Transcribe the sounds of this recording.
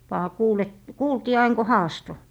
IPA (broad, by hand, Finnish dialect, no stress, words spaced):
ʋɑː kuːl et kuːltiː ɑin ko hɑːsto